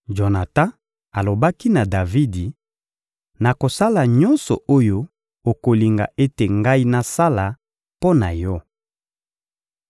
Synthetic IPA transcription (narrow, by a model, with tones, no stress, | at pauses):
ʒo˨na˨ta˦ | a˨lo˨ba˦ki˦na˨da˨vi˦di˨ | na˨ko˨sa˦la˨ɲɔ˦nsɔ̰˨ʔo˦jo˦ | o˨ko˨li˨ŋɡa̰˨ʔe˦te˨ŋɡa˦i˦na˦sa˦la˨ | po˦na̰˨jɔ˦